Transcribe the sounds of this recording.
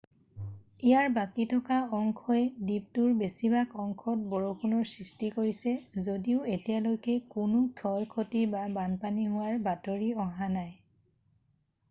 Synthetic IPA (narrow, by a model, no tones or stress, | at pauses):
ijaɹbakitʰɔkaɔŋkʰɔɛdip̚tʊɹbesibakʰɔŋkʰɔt̚bɔɹokʰunɔɹsɹistikoɹisɛzodiʊetijalojkɛkʊnʊkʰɔlkʰotibabanpaniɦʊwaɹbatoɹiɔɦanaj